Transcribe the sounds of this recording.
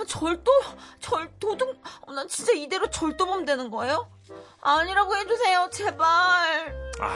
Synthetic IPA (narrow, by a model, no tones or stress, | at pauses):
t͡ɕʌɭt͈ot͡ɕʌɭtodɯŋnat͡ɕint͡ɕ͈aide̞ɾot͡ɕʌɭt͈obomdwe̞nɯnɡʌe̞jo | aɲiɾaɡoɦhe̞d͡ʑusʰe̞jot͡ɕe̞baɾ